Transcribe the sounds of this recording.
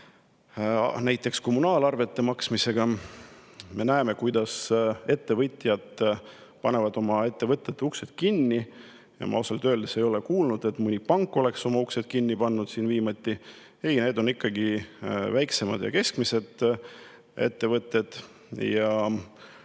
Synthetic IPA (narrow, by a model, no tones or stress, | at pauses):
næjt̪ːˑe̞ksko̞munɑːlɑrve̞t̪ːe̞mɑksmise̞ɡ̥ɑ | me̞næeme̞kujd̪̥ɑse̞t̪ːe̞vɤt̪ʲˑjɑd̪̥ | pɑne̞vɑd̪o̞mɑe̞t̪ːe̞vɤt̪ːˑet̪ːeukse̞d̪̥̚kinʲːi | jɑ̰mɑ̰oselt̪øːld̪̥ese̞jo̞lekuːlnud̪̥e̞t̪mɯnʲipɑŋkːˑo̞le̞kso̞mɑukse̞d̪̥̚kinːipɑnːud̪̥siːnviːmɑt̪ʲːi | e̞jneːd̪o̞nikːɑɡivæjkse̞mɑd̪̥jɑ̰ke̞skmise̞d̪̥ | ḛt̪ːe̞vɤt̪ːˑe̞d̪̥ | jɑ